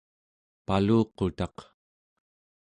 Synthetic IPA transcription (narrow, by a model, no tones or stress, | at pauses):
paluːqot̪ɑq